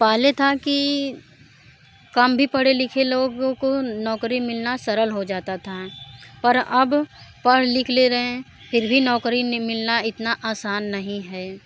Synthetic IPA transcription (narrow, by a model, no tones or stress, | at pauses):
paːɦlet̪ʰaki | kɐmbʱipɐɽelɪkʰeloːɡõkonɔːkɾimɪlnasɐɾəlɦod͡ʒaːt̪at̪ʰapɐɾɐbpɐɽ̤lɪkʰleɾɐɦẽ | pʰɪɾbʱinɔːkɾimɪlnaɪt̪naʔaːsaːnːɐɦĩɦɛː